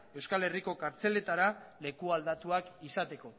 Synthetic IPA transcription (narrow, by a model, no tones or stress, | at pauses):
e̞wskale̞riko̞kaɾt͡se̞le̞t̪aɾale̞kuald̪at̪uakisat̪e̞ko̞